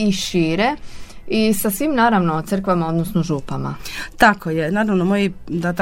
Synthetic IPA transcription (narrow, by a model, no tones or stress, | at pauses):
iʃiːɾeisasʋiːmnaːɾaʋnot̪sr̩kʋamao̞d̪nosnoʒuːpama̰t̪akojenaːɾaʋnomojid̪at̪